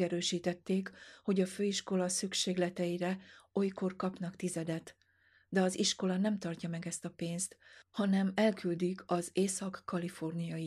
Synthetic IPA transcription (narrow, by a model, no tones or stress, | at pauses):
ɛɾøːʃiːt̪ɛt̪ːeːkho̞ɟɒføːiʃko̞lɒsykʃeːɡlɛt̪ɛjiɾɛo̞jko̞rkɒpnɒkt̪izɛd̪ɛt̪ | d̪ɛɒziʃko̞lɒnɛmt̪ɒrcɒmɛɡɛst̪ɒpeːnst̪hɒnɛmɛlkyld̪ikʰɒzeːsɒkːɒlifo̞rnijɒji